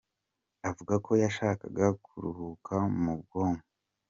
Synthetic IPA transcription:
avuɡako̞jaʃaːka̰ɡakʰuɾṵhukʰamub̚ɡo̞ːmo

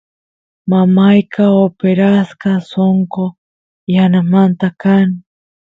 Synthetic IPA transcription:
mamajkʰaopeɾaskasoŋko | janamant̪akani

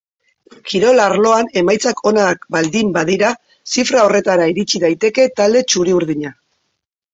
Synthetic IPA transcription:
kʰiɾo̞laɾlo̞ane̞majt͡sakʰo̞nakbald̪imbað̞iɾa | sifɾao̞re̞t̪aɾaiɾit͡ʃiðajt̪e̞ke̞t̪ald̪e̞t͡ʃuɾiuɾðiɲa

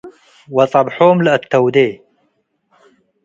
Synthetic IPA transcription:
wɑt̪ˤɑbħuːmlət̪ːɐwd̪eː

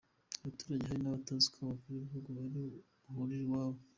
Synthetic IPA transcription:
aβatu̥ːɾaɟeɦaɾinaβatazi̥kaβakuɾiβihuɡoβaɾi | huɾiɾwaːβo

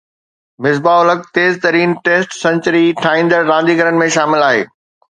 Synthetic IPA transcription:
mɪzbaʊləɡ̚t̪eːzt̪ɐɾiːnʈeːsʈsɐ̃nt͡ɕəɾiʈʰaːĩːnd̪əɾɾãːnd̪iɡəɾənɪ̆mẽʃaːmɪlaːɦḛː

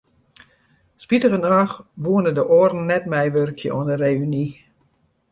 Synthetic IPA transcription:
spitəvənaːxʋuənədəʔoərn̩ːɛtmɛjʋørkʰjə̰ʔṵəndəreːyni

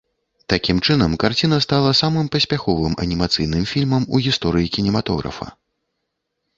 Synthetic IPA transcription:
t̪akʲimt͡ʂɨnɐmkart͡sʲin̪ɐst̪alˠɐsamɨmpɐsʲpʲaxɔvɨmʔɐ̰nʲimat̪sɨjnɨmfʲilʲmɐmuɣʲist̪ɔɾɨjikʲinʲɛmat̪ɔɣɾɐ̰fɐ̰

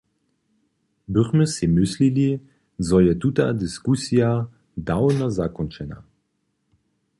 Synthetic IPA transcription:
bʏχməsimʏslili | zɔjɛtuta̰d̪iskusija | dawnazakɔnt͡ʃɛna̰

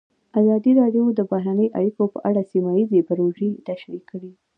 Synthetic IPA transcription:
azɑd̪iɾɑɖjod̪əbahɾanəjʔa̰ɽikopə̰ʔaɽasimajizebaɾoʒet̪aʃɾikəɽi

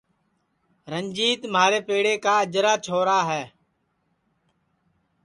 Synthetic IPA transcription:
ɾəɲd͡ʒiːt̪maːɾeːpeːɽeːkaːəd͡ʒɾaːt͡ʃʰoːɾaːɦɛː

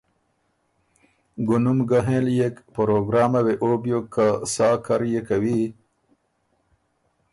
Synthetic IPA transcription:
ɡunumɡaɦẽːljekpɐɾoɡɾaːmaweʔobjokːasaːkaɾjekawi

